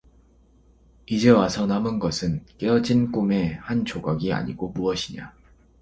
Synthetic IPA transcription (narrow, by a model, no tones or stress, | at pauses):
id͡ʑe̞wasʰʌnamɯnɡʌsʰɯnk͈e̞ʌd͡ʑink͈ume̞hant͡ɕʰoɡaɡia̰ɲḭɡomuʌɕʰiɲa̰